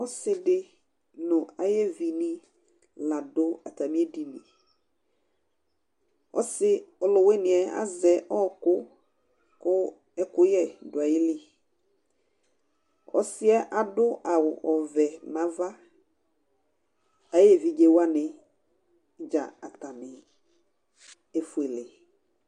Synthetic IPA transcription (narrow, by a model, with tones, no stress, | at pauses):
ɔ˦sɪ˨dɪ˦ | nʊ̃˨a˨jɛ˦vi˨nĩ˦ | la˨dʊ˦a˨ta˨mĩ˦e˦di˨nḭ̃˨ | ɔ̰˦sɪ˦ɔ˨lʊ˨we˦nɪ̃˨ɛ˨a̰˦zɛ˨ʔɔ˦kʊ˦ | kʊ˦ | ɛ˦kʊ˦jɛ˦dʊ˨a˨jɪ˦lɪ˦ | ɔ̰˨sɪ˦ɛ˦ʔa˨dʊ˦a˨wʊ̰˨ʔɔ˨vɛ˨mã˨va˦ | a˦jɛ˦vi˨d͡ʒe˨wa˦nɪ̃˨˦ | d͡ʒa̰˨a˨ta˨nɪ˨ | e˦fu˨e˨lɪ˨